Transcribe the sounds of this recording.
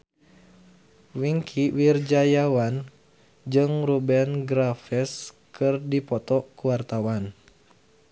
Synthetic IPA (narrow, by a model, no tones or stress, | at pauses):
wiŋkʰiwird͡ʒajawan | d͡ʒɨŋrubɛnɡɾafɛs | kɨrdipɔt̪ɔkuwart̪awan